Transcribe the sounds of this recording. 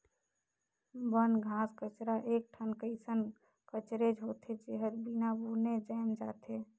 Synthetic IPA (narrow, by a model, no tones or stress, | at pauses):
bənɡʱãːskət͡ʃɾaʔek̚ʈʰənkəɪsən | kət͡ʃɾed͡ʒɦot̪ʰed͡ʒeɦəd͡ʒbinabuɾned͡ʒaɪmd͡ʒa̰ːt̪ʰe